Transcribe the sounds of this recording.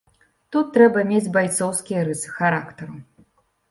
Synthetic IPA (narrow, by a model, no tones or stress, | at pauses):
t̪ut̪ːɾɛbɐmʲed͡zʲbajt̪sɔwskʲijɐɾɨsɨ̥xaɾakt̪ɐɾu